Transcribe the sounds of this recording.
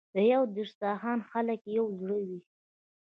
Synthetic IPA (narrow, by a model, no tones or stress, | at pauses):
d̪əjawd̪eɾsɑɦɑnxaləkjawzɽəwi